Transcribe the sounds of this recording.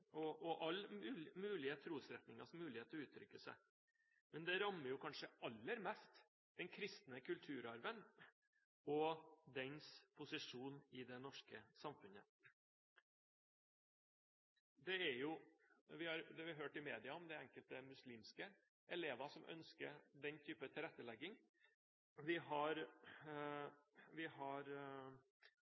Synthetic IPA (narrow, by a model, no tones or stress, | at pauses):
ɔʔɔʔɑlːmʉːlɪət̪ʰɾuːsɾɛt̪nɪŋɑ̰smʉːlɪheːt̪əɾɔʉːt̪ʰɾʏkːəsæ̰ | mɛnd̪ɛɾɑmːəɾjʊkʰɑnʂəɑlːəɾmɛst̪ | d̪̥ɛnkʰɾɪst̪nəkʰʉlt̪ʰʉːɾɑɾʋən | ɔd̪ɛnspʰʊsɪʂuːnɪd̪ɛnɔʂkəsɑmfʉnə | d̪ɛæjʊʋɪhɑɾd̪ɛʋɪɑɦøːʈɪmeːd̪ɪɑɔmd̪ɛɛŋkəlt̪əmʉsliːmskə | ʔɛleːʋɑsɔmʔœ̰nskə̰ɾd̪ɛnt̪ʰyːpət̪ʰɪlɾɛt̪ːəlɛɡːɪŋ | ʋɪɦɑɾ | ʋɪhɑɾ